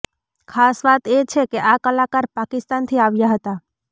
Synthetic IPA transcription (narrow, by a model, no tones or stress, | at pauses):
kʰasʋat̪et͡ʃʰekeʔakəlakaɾpakist̪ant̪ʰiaʋjaɦət̪a